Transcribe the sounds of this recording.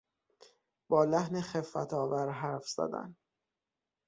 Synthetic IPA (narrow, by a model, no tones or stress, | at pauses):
b̥ɒːlæhneχefːæ̰t̪ʰɒːvæɾɦæɾfz̥æ̰d̪æ̰n